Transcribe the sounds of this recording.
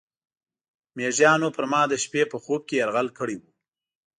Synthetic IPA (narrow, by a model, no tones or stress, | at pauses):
meʒjɑnopəɾmɑd̪əʃpepəxob̚kejaɾɣalkəɽiwu